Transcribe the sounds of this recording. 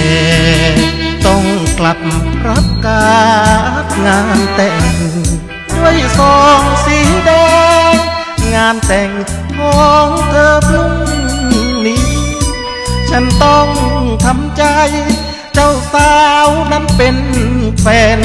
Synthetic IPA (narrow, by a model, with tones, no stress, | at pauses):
ɛː˨˩˧ | t̪ɔ˧˩ŋkla˧˦p̚mka˧˦˥p̚kaː˧˦ | ŋaː˧nt̪ɛː˧˩ŋ | du˧˥˩əjsɔː˧ŋsiː˨˦dɛː˧ | ŋaː˧˥nt̪ɛː˨˩ŋ | kʰɔː˧ŋt̪ɤː˧p̚ʰɯ˧˥ŋ˧˨niː˧˥ | t͡ɕʰa˧˥˩nt̪ɔ˧˩ŋt̪ʰa˧˥mt͡ɕa˧j | t͡ɕa˧˩wsaː˧wma˧˥npe˧nfʰɛː˧˩n